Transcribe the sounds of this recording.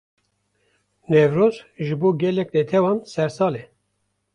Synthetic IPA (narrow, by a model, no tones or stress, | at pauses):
nevɾoːzʒɨboːɡɛlɛknet̪ʰɛwɑːnsɛɾsɑːlɛ